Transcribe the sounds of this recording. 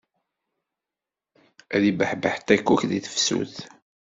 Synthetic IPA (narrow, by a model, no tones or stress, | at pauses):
æðibəħbəħt̪ːækːuçðiθə̥fsṵθ